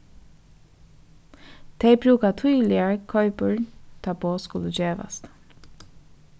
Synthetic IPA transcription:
t̪ʰeɪbɾʉːkat̪ʰyʏlɪəɹkʰœʏpəɹt̪ʰɑpoːskʊləd͡ʒeːʋa̰st̪

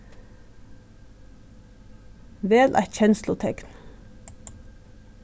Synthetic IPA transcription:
ʋeːlʔæ̰t̪çɛnslʊt̪ʰɛkn

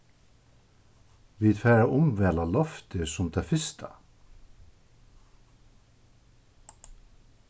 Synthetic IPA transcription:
ʋiːd̪fɛːɾaʔʊmʋɛːlalɔft̪ɪsʊmt̪ʰɛfɪst̪ʰa̰

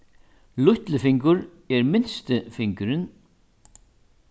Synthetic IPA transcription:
lʊht̪lɪfɪŋkʏɾ | ɛɾmɪnst̪ɪfɪŋkʏɾɪn

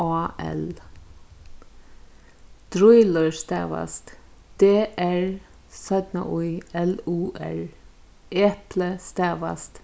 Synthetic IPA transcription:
ɑːɛ̰l | d̪̥ɾʊɪləɹst̪ɛ̰ːʋa̰st̪ | d̪̥eːʔæɹ | sœd̪nə̰ʔʊʏɛluːʔɛ̰ɹ | ʔeːpləst̪æːʋa̰st̪

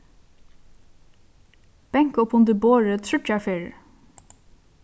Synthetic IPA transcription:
b̥ɛŋkɔpʰʊnd̪əboːɹət̪ʰɾʏt͡ʃafeːɹ

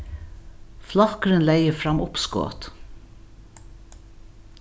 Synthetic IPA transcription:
flɑkɾənlæɪəfɹɑmʔʊpsko̰ːt̪

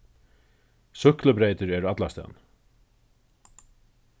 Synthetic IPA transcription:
sʏhkləbɾeːt̪əɾɛɾat̪last̪ɛ̰n

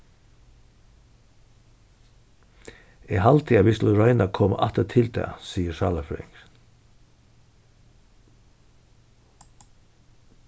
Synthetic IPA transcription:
iːhɑlt̪ʰiːɑʋɪsləɾɑɪnɑkʰɔmʔɑ̰t̪ət̪ʰɪld̪æ̰ːsiːəʃɑːləfɾɪ̰ŋɡ

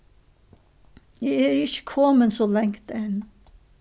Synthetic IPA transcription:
jæɪæːɾɪçə̥kʰɔːmənsoːlɛŋt̪əɛn

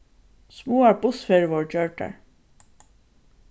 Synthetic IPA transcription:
smuːaɹpʊθfɛːɹvɔɹd͡ʒœɹʈa̰ɹ

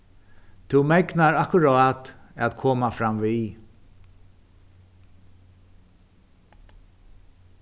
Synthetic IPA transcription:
t̪ʰumɛknaɾahkʊɾɔat̪æðkʰɔːmafɾamʋi

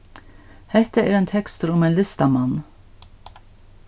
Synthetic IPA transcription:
hɛht̪aɛɾɛjnt̪ʰɛkst̪ʏɾʊmɛjnlɪst̪amanː

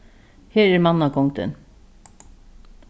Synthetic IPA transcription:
heːɾæɾmɑnːɑkʰɔŋd̪ə̰n

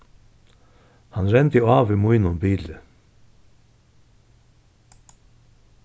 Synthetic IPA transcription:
hɑnɾɛnd̪əɑːʋiːmuʏnʊnbiːlə

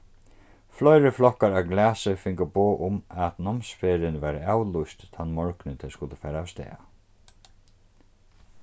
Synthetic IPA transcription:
flɔjɾɪflɔhkaɾawɡlæːsɪfɪŋkaboːʔʊmat̪nɔmsfeːɾɪnʋɛːɾaaːwlʊjst̪t̪ʰːanmɔɹknɪt̪ʰɛskʊlt̪əfɛːɾaːwst̪ɛ̰ːa̰

